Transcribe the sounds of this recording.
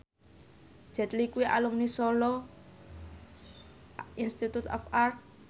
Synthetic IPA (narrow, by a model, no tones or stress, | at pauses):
d͡ʒ̥ɛ̤t̪likuiʔa̰lumnisɔlɔ | inst̪it̪ut̪ɔ̰far̚